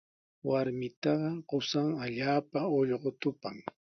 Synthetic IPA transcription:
waɾmɪt̪ɑɢɑɢʊsaŋaʎaːpaoʎɢot̪ʊpa̰ŋ

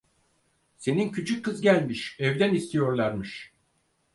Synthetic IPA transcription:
se̞nincʰyt͡ʃʰyc̚ʰːɯzɟælʲmiʃɛvd̪ænist̪ʰijo̞ɾlˠaɾmɯʃ

